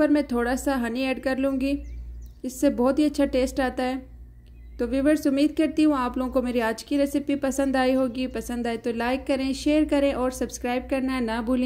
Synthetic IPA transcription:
pɐɾmɛ̃t̪ʰoːɽasaɦɐniɛːɖkɐɾlũːŋɡiːɪsːebɔːt̪ɦiɐtːʃʰaʈeːsʈaːt̪aɦɛː | t̪oːʋɪʋəɾsʊmːiːd̪̚kɐɾt̪iɦũaːploːɡõkomeːɾiaːd͡ʒkiɾɛsɪpipɐsə̃nd̪aːiɦoːɡipɐsə̃nd̪aːit̪olaːɪkːɐɾẽʃeːɾkɐɾẽʔɔːɾsɐbskɾaːɪb̚kɐɾnaɦɛnɐbuːlẽ

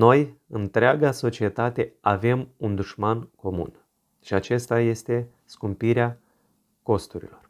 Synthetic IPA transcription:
no̞jɨnt̪ɾeaɡaso̞t͡ʃie̞t̪at̪e̞ave̞mund̪uʃmanko̞mṵn | ʃiat͡ʃe̞st̪aje̞st̪e̞ | skumpiɾea | ko̞st̪uɾḭlo̞r

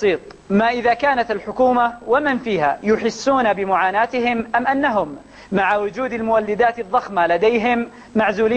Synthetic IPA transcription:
siːt̪ˤ | maːʔɪðaːkaːnat̪alħʊkuːmawamɪnfiːha̰jʊħɪsːuːnabɪmʊʕaːnaːt̪ɪɦɪmʔamʔanːaɦʊmː | aʕawʊd͡ʒuːd̪almʊwalːɪd̪aːt̪ɨðˤːɑxmalad̪ajɦɪmː | aʕzuːliː

